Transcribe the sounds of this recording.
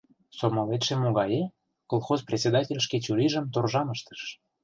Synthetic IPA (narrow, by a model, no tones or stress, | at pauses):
somɑlet̪ʃemoɣɑje | kolˠxozprʲesʲed̪ɑtʲelʲʃket͡ɕuɾiʒə̆mt̪orʒɑməʃt̪ə̥ʃ